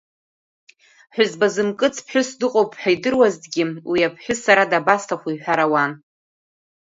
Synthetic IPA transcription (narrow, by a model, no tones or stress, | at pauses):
ħʷᶣʊzbazɨmkʼɨt͡sʰpʰħᶣʊsdɨqʼowpʰʼħᶣajdɨrwazdɡʲɪwiapʰħʷᶣʊsaɾadabastʰaχʷijħʷᶣaɾawan